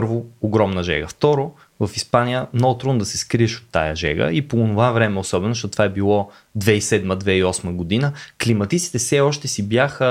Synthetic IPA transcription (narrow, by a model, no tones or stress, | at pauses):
ɾvooɡɾɔmnəʒɛ̰ɡə̰ft̪ɔɾo | vɐfispanijəmnɔɡʊt̪ɾond̪ɐsɛskɾiɛʃo̥t̪ːa̰jə̰ʒɛ̰ɡə̰ipoonovavɾɛmɛosɔbɛnozʃt̪ot̪ovaɛbilˠɔ | d̪vɛisɛd̪məd̪vɛiɔsməɡod̪inəklimɐt̪it̪si̥t̪ɛfsɛɔʃt̪ɛsibjaxə